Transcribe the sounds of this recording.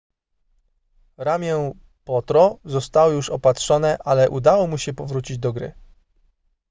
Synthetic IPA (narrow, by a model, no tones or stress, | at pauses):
ɾamʲjɛ | pɔt̪ɾɔzɔst̪awɔjuʂɔpatʂɔnɛʔalɛʔud̪awɔmuɕɛpɔvɾut͡ɕid͡ʑd̪ɔɡɾɘ̰